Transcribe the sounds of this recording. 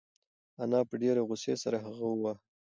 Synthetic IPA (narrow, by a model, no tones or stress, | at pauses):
anɑpəɖeɾeɣʊsesaɾaɦaɣawa